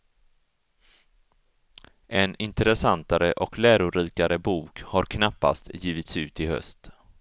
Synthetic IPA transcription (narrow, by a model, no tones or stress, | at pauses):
ʔɛnɪnt̪əɾɛsant̪aɾəʔɔklæːɾʊɾiːkaɾəbuːkhaɾkʰnapːa̰st̪jiːvɪt̪sʉ̟ːt̪ɪhœ̰st̪